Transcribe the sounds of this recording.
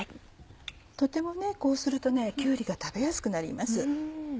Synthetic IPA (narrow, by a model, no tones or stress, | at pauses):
t̪o̞t̪e̞mo̞ne̞ko̞ːsɨɾɯ̟t̪o̞ne̞kʲɨːɾʲiɡat̪abe̞jasɨ̥kɯ̟naɾʲḭmasɨ